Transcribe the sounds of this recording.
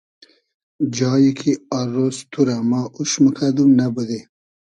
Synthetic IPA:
d͡ʒɑːjikʰiaɾost̪ʰuɾamɑʔuʃməkʰad̪umnabəd̪e

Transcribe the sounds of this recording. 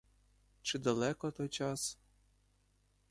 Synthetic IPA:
t͡ʃɪd̪ɐlˠɛkɔt̪ɔjt͡ʃɑs

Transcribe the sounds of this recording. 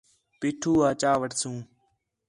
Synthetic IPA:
piːʈʰuːaːt͡ʃaːʋəʈsũː

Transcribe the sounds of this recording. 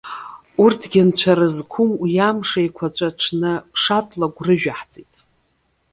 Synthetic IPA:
urtʰɡʲɪnt͡ɕʷʰaɾɨzkʷʰʊmjamʂajkʷʰat͡ɕʷʼaʈ͡ʂʰnɨpʰʂatʼlaɡʷrɨʒᶣaħt͡sʼitʼ

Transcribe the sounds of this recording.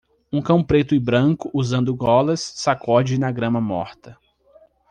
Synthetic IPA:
ũkɐ̃w̃pɾet̪ʊɪbɾɐ̃kʊʔuzɐ̃nd̪ʊɡɔlɐsːakʰɔd͡ʒɪnɐɡɾɐ̃mɐmɔ̰ɾt̪ɐ

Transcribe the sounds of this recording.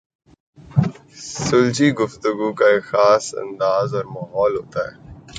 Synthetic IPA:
sʊlt͡ʃiɡʊft̪ʊɡukaexaːsɐ̰̃nd̪aːzɔːɾmaːɦɔːlɦo̰ːt̪aɦɛː

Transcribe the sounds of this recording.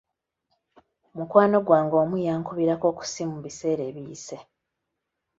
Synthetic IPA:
mukwaːno̞ɡwaːŋɡo̞ːmujaːŋkuβiɾako̞ːku̥simuβise̞ːɾe̞ːβiːse̞

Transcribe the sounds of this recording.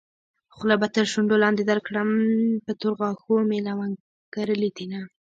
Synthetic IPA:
xolabat̪əɾʃʊɳɖolɑnd̪ed̪aɾkɽəmpət̪ʊɾɣɑxomelawaŋ | kaɾəlid̪ina

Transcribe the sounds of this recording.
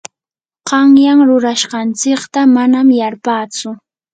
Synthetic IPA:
qɑŋjaŋɾʊɾaʃqɑnt͡sɪkt̪amanamjaɾpaːt͡sʊ

